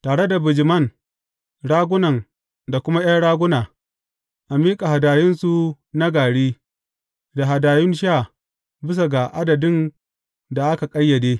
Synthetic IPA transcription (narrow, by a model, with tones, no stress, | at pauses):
taː˨ɽe˦da˨bɪ˨d͡ʒɪ˨mɐ˦˨n | ɽaː˦ɡʷʊ˦nɐ˨n | da˨kʷʊ˦ma˦j̰ɐ˦nɽaː˦ɡʷʊ˦naː˨ | ʔa˨miː˦kʼa˨ɦa˨daː˨jɪ˦nsu˨ | na˦ɡaː˨ɽiː˦ | da˨ɦa˨daː˨jɪ˦nʃa˦˨ | bɪ˦s̬a˨ɡa˨ʔa˦dɐ˨dɪ˦n | da˨ʔa˦ka˨kʼɐ˦jːɐ˨deː˦